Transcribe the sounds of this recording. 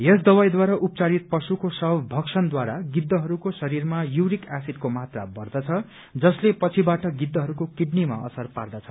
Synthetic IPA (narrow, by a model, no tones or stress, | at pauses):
jʌsd̪ʌwajd̪waɾaʔupt͡saɾit̪̚pʌsukosʌbbʱʌksʰʌnd̪waɾaɡid̪ːʌɦʌɾukosʌɾirmajuwɾikasid̪̚komat̪rabʌrd̪ʌt͡sʰʌ | d͡zʌslepʌt͡sʰibaʈʌɡid̪ːʌɦʌɾukokiɖnima̰ʌ̰sʌrpa̰rd̪ʌt͡sʰʌ̥